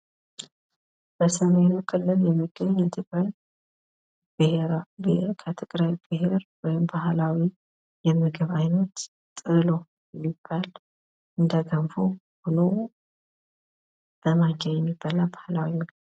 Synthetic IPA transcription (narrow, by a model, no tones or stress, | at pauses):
b̥əsəme̞nukʼʰɨlːɨljɛmːɨɡəɲːɛt̪ʰɨkʼɾaj | b̥ɨheɾbkʰət̪ʰɨkʼɾajbɨɦe̞ɾwɔjɪmbahlawi | jɛmɨɡɨβajnət̪ | t̪ʼɨlo | ɛmːib̥ːal | ʔɨnd̪aɡʰəmfu | hono | d̥əmad͡ʒɛjɛmːibːalabahlawiməɡ